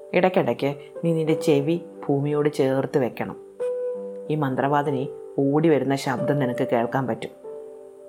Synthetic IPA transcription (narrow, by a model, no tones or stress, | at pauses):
iɽɐkʲːɐɽɐkʲːɨ | niːnːinde̞t͡ɕe̞ʋi | bʱuːmijoːɽɨt͡ɕeːrt̪ːɨʋe̞kʲːɐɳɐ̰m | iːmɐnd̪rɐʋaːd̪ɐni | uːɽiʋɐɾunːɐɕɐb̚d̪ɐmninɐkːɨke̞ːɭkaːnpɐtːum